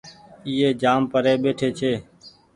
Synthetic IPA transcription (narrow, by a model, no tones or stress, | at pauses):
iːeːd͡ʒaːmpəɾeːɓeːʈʰeːt͡ʃʰeː